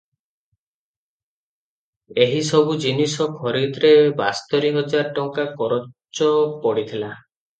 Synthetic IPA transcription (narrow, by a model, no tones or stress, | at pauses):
eɦisɔbud͡ʒinisɔkʰɔɾid̪ɾebast̪ɔɾiɦɔd͡ʒaɾʈɔŋkakɔɾɔt͡ʃɔpɔɽit̪ʰila